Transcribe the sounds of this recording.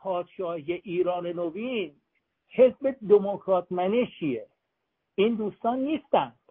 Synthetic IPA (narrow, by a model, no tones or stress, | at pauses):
pʰɒːd̪̥ʃɒːhijeʔiːɾɒːnenovin | he̞zbed̪emokʰɾɒːt̪ʰmænet͡ʃʰie | iːnd̪uːst̪ɒːnːiːst̪ænd̪̥